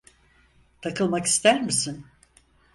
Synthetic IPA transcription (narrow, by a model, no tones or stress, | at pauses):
t̪ʰakɯlˠmaki̥st̪ʰæɾmisin